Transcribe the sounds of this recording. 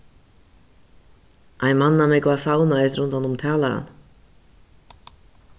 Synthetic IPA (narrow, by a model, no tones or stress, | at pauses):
ʔaɪnmanːamɛkvasawnaɛsɾʏnt̪hanʊmt̪ʰɛːlaɾa̰n